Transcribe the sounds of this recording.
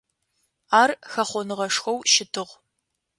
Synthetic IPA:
aːrxɐχʷɔnɨʁɐʂxʷɐwʃɪtʰɨʁ

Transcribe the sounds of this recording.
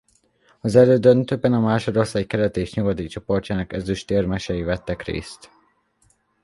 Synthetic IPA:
ɒzɛløːd̪ønt̪øːbɛnɒmaːʃoɾosɛckɛlɛt̪eːʃɲuɡɒt̪it͡ʃopo̞rcaːnɒkɛzyʃt̪eːrmɛʃɛjivɛt̪ːɛkrḛːst̪

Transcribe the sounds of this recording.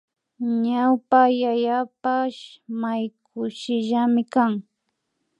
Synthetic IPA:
ɲawpajajapaʃmajk̚ʰʊʃɪʒamɪkaŋ

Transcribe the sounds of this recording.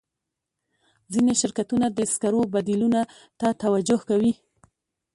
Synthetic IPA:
zineʃɪɾkat̪unad̪əskaɾobad̪iluna | t̪at̪awad͡ʒʊhkawi

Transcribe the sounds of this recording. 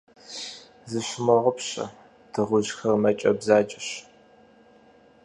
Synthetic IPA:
zɨɕmɐʁʷʊpɕʼɐ̰ | dʰɨʁʷʊʒxɐrmɐt͡ʃʼɐbzaːd͡ʒʼɪɕ

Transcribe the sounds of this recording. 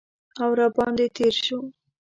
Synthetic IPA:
awɾabɑnd̪et̪eɾʃu

